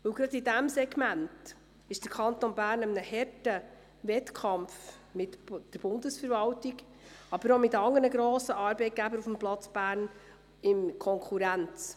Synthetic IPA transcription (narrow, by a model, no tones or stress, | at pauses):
ʋɵwɡ̥ɾɑd̪idæmsɛɡmænt | ɪʃd̥əɾkʰɑnt̪onbæːɾnəmənəhɛrtə | vɛtkʰɑmf | mɪtd̥əɾb̥ʊndəsfəɾvɑwtiɡ | ɑb̥əɾomɪtɑŋənəɡɾoːsəʔɑːɾbɛɪt̚ɡ̥æbəɾufmplɑt͡sb̥æːɾn | ɪmkʰɔŋkʰuɾænt͡s